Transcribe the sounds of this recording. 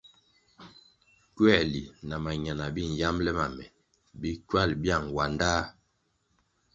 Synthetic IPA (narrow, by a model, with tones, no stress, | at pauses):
kɥɛ˦˨li˨na˨ma˨ɲa˨na˨bi˦n̩˨ja˦mlɛ˦ma˨mɛ̰˨ | bi˦kɥa˦˨lbja˦˨ŋwa˨ndaː˦